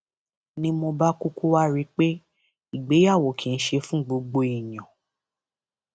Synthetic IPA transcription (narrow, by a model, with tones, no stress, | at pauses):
nĩ˧mo˧ba˦ku˦ku˦wa˦ɾi˦k͡pe˦ | i˨ɡ͡be˨˦ja˦˨wo˨kʰi˨n̩˦ʃe˧fũ˦ɡ͡bo˧ɡ͡bo˧i˨jã˨